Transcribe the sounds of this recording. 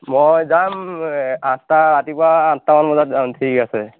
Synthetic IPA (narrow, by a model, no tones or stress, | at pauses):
mɔjzam | astaɹatipʊaːtːamanmɔzat̚amtʰikasɛ